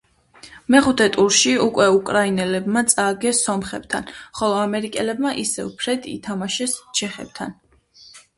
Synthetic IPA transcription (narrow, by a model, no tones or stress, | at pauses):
mɛχut̪ʰɛt̪ʼuɾʃiukʼwɛukʼɾainɛlɛbmat̪sʼaːɡɛsɔmχɛ̰b̥t̪ʰa̰nχɔlˠɔamɛɾikʼɛlɛbmaʔisɛupʰɾɛd̪ʰḭt̪ʰamaʃɛst͡ʃʰɛχɛ̰b̥̚t̪ʰa̰n